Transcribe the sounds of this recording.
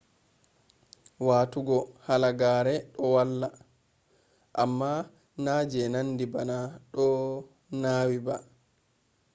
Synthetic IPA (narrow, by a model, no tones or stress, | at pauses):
waːtuɡɔhalaɡaːɾɛɗɔwalːa | ʔamːa | naːd͡ʒɛnandibanaɗɔ | naːwiba